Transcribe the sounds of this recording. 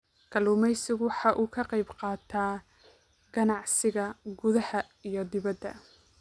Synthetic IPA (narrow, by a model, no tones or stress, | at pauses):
kʰɐluːmɛjsɪɣwɑħɑʔuːkʰɐqɑjbqɑːt̪ʰaː | ɡ̥ɐnɑʕsɪɣɐɡʊðɐhɐ | ijɞd̪ɪβɐd̪ːɐ̰